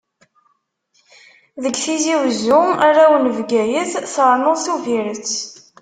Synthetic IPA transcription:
ðəɡθiziwzːʊmaɾawnəvɡæjəθθəɾˤnəʁˤθuviɾət͡sː

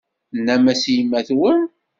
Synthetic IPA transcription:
nːæmæsjimːæθwən

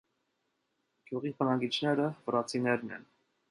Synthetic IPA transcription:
ɡ̥juʁibənɑɡit͡ʃʰnɛɾəvəɾɑt͡sʰinɛɾnɛ̰n

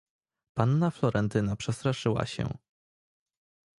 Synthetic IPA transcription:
panːaflɔɾɛnt̪ɘnapʂɛst̪ɾaʂɘwa̰ɕɛ̰

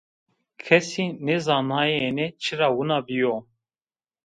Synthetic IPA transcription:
kʰɛsinɛzɑːnaːjenɛt͡ʃʰiɾaːwunabijo

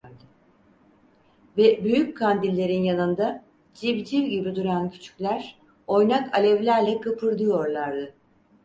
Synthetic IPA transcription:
ɾd̪ɯ | vɛbyjyc̚kʰand̪ilʲːe̞ɾinjanɯnd̪a | d͡ʒibd͡ʒiɾɟibid̪uɾancʰy̥t͡ʃʰy̥cʲlʲæɾ̥ | o̞jnakʰa̰lʲɛvlʲæɾlʲɛkʰɯpʰɯɾd̪ɯjo̞ɾlˠaɾd̪ɯ

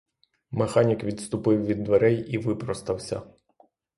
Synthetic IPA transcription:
mexɑnʲikʋʲid̪st̪ʊpɪwʋʲid̪ːʋeɾɛjiʋɪpɾɔst̪ɐwsʲɐ̰

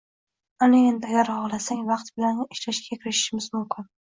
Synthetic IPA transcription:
anɪend̪aɡʲaɾhɒʁlˠasaŋʲvɑqt̪bɪlanɪʃlaʃɡʲakʲʰɪɾɪʃɪ̥ʃɪmɪzmʊmkʲʰɪn

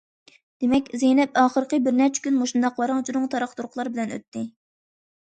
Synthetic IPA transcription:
d̪̥emɛkʲzejnɛp̚ɑːχəɾqəbɪɾnɛɾt͡ʃʰɛ̥kʲynmoʃund̪ɑqwɑɾɑŋt͡ʃʰuɾʊŋt̪ʰɑɾɑχt̪uɾʊqlˠɑɾbɪlɛnø̰t̪ʰːɪ

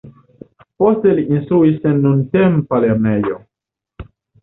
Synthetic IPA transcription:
posteliʔinst̪ɾuisenːuntempaleɾnejo

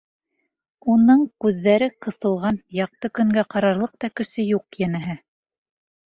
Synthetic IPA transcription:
unɤɴkʉðːæɾɘqɤ̆θɤ̆lˠʁɑnjɑq̚t̪ɤkɵ̆ŋɡæqɑɾɑɾlˠɤq̚t̪ɑkɘ̆ʃɘjuqjænæɦɘ

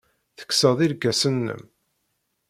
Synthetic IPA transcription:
θə̥kːsəðˤiɾɡæsənːə̰m

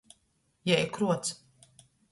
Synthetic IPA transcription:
jɛjkɾuɔt̪s

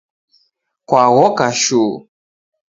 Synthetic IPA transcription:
kwaɣɔkaʃu

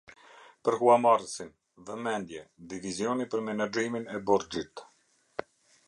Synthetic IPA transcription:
pəɾɦuamaɾəsin | ðɛmɛnd̪jɛd̪ivizjɔnipəɾmɛnad͡ʒiminɛbɔɾd͡ʒit̪

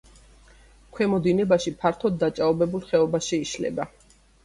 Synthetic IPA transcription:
kʰwɛmɔd̪inɛbaʃipʰaɾt̪ʰɔd̪ːat͡ʃʼaɔbɛbulˠχɛɔbaʃiːʃlɛ̰ba

